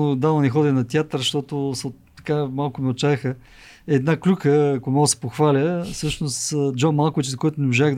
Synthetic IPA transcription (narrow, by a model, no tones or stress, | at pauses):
od̪aɐnɛxɔd̪ɛnɐt̪ʲjat̪ɾʃt̪ɔt̪ʊsɛ | ɐ̥kamalˠkʊmɛot̪t͡ʃaɛxə | ɛd̪naklʲukəːkʊmɔsɛ̥poxvalʲəsɤʃnost̪ːd͡ʒɔnmalˠkʊvit͡ʃzɐkɔjt̪ʊnɛmoʒaɣ